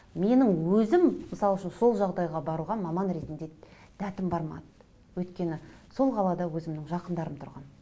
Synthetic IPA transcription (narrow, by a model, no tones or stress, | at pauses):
me̞nɪŋwɵzɪmːəsɑlˠʏʃɪnso̞lˠʒɑʁd̪ɑjʁɑbɑɾuʁɑnmɑmɑnɾe̞t̪ɪnd̪e̞ | d̪̥ʰæt̪ɪmbɑɾmɑ̰d̪ə̥ | wɵjt̪kʲe̞nɪso̞lˠʁɑlˠɑd̪ɑwɵzɪmnɪŋʒɑqənd̪ɑɾəmt̪ʰʊɾʁɑ̰n